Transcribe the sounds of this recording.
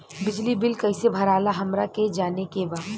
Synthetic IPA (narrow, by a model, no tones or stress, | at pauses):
bɪd͡ʒlibɪlkɐɪsebʱɐɾaːlaɦɐmɾaked͡ʒaːnekeba